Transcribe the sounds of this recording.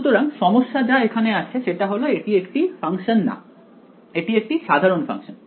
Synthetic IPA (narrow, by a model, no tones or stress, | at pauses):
ut̪oɾaŋʃɔmoʃːad͡ʑaekʰaneat͡ɕʰeʃeʈaɦoloeʈiekʈifaŋʃonːa̰ | eʈiek̚ʈiʃad̪ʱaɾonfa̰ŋʃon